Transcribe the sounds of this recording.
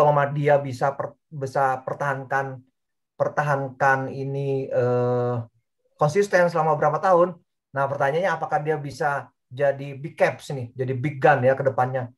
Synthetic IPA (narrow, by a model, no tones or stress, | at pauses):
alamadiabisapə | bisapərt̪aɦankan | pərt̪aɦankaniniə | kɔnsist̪ɛnsəlamabəɾapat̪aɦʊnː | ahpərt̪aɲaɲaːpakahdiabisa | d͡ʒadibikɛpsnɪd͡ʒadibiɡanjakədəpanɲa